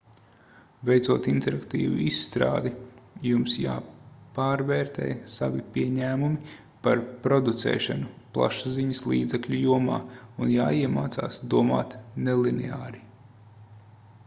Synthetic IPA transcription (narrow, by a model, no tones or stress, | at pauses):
vejt̪suɔt̪int̪ɛɾakt̪ḭːvṵisːt̪ɾa̰ːd̪ijumsja̰ːpaːɾvɛːɾt̪ɛ̰ːjsavipʲiɛɲæːmumi | paɾpɾɔd̪ut̪sɛ̰ːʃanuplˠa̰ʃaziɲɐslˠḭːd̪zɛkʎʲujuɔmaːunja̰ːiɛmaːt̪saːsd̪uɔma̰ːt̪nɛlˠinɛaːɾi